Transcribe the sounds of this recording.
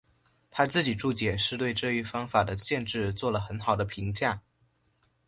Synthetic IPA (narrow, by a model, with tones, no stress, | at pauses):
t̪ʰa˥t͡sɹ̩˥˩t͡ɕi˨˩ʈ͡ʂu˥˩t͡ɕjɛ˨˩ʂɻ̩˥˧t̪we˥˧ɪʈ͡ʂɤ˥˧y˧˥fɑ˥ŋfa˨˩d̪ə˦ɕjɛ˥˧nʈ͡ʂɻ̩˥˧t͡swɔ˥˩lə˩xə˧˥nxɑ˨˩ʊd̪ə˦pʰi˧˥ŋt͡ɕja˥˩